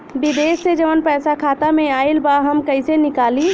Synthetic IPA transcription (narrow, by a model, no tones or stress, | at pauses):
bid̪eːsːed͡ʒəʋənpɛːsakʰaːt̪amẽaːilbaɦəmkəɪsenɪkaːli